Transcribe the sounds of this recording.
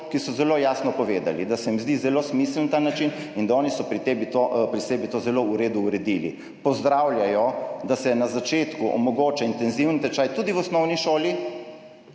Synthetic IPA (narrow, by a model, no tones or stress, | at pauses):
kisɔzɛlojaːsnɔpɔʋeːd̪a̰lid̪asɛmizd̪izɛloːsmisəlnat̪aːnat͡ʃin | ind̪aɔːnisɔpɾit̪ebit̪opɾisɛːbit̪ozɛlouɾeːd̪uuɾɛd̪ilḭ | pɔzd̪ɾawljajɔd̪asɛnazat͡ʃeːt̪kuʔɔ̰mɔɡoːt͡ʃaint̪ɛnziwnt̪ɛt͡ʃaːjt̪ud̪iwɔsnɔwniʃoːli